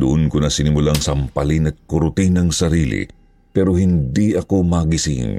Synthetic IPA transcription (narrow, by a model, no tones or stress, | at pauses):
d̪ʊʔonkonɐsɪnɪmʊlaŋsɐmpɐlinɐt̪̚kʊɾʊt̪inɐŋsɐɾiːlḭ | pɛɾohɪnd̪iɐko̞mɐɡɪsḭn